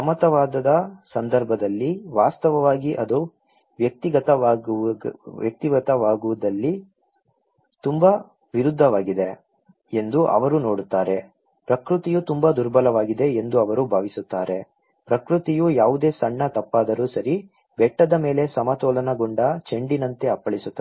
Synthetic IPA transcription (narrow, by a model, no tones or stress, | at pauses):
sɐmɐt̪ɐʋaːd̪ɐd̪ɐsɐnd̪ɐɾbʱɐd̪ɐlːiʋaːst̪ɐʋɐʋaːɡiʔɐd̪u | ʋjɐk̚t̪iɡɐt̪ɐː | ʋjɐk̚t̪iɡɐt̪ɐʋaːɡuʋud̪ɐlːi | t̪umbɐ | ʋiɾud̪ʱːɐʋaːɡid̪e̞ | e̞nd̪uʔɐ̰ʋɐɾuno̞ːɽut̪ːaːɾe̞ | pɾɐkɾut̪ijut̪umbɐd̪uɾbʱɐlɐʋaːɡid̪e̞end̪uɐʋɐɾubʱaːʋisut̪ːaːɾe̞ | pɾɐkɾut̪ijujaːʋud̪eːsɐɳːɐt̪ɐpːaːd̪ɐɾuːsɐɾi | bɛʈːɐd̪ɐme̞ːle̞sɐmɐt̪ɔːlɐnɐɡoɳɖɐt͡ʃe̞ɳɖinɐnt̪e̞ɐpːɐɭisut̪ːɐ